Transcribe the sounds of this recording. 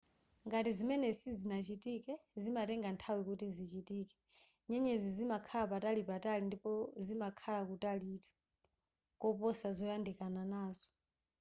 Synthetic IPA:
ŋɡatizimɛnɛsizinat͡ʃitikɛzimatɛŋɡantʰawikutizit͡ʃitiːkɛ̥ | ɲɛɲɛzizimakʰalapatalipatalindipɔzimakʰalakutalitʰu̥ | kɔpɔsazɔjandikʼananaːzɔ̥

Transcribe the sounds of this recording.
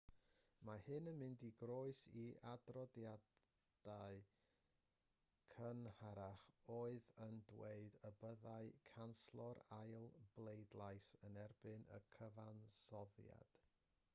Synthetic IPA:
mahɨnənmɪndiɡroɨsiʔadrɔdja | d̥aɨ | kʰənhaɾaχoːɨðəndweɨdəbəðaɨkʰanslˠɔɾajlˠb̥lˠejdlˠajsənɛrbɨnʔə̰kʰəvansɔðja̰d̥

